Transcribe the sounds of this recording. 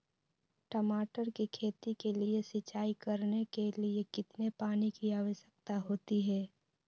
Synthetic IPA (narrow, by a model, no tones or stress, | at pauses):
ʈəmaːʈəɾkikʰeːt̪ikeliesɪt͡ʃaːikɐɾnekeliekɪt̪nepaːnikiaːʋəʃjək̚t̪aɦoːt̪iɦɛː